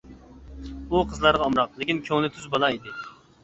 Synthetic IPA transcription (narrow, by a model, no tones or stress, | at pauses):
buqʰəzlˠɑɾʁɑːmɾɑqlˠɪkʲinkʲʰøŋnɪt̪ʰyzbolˠɑid̪ɪ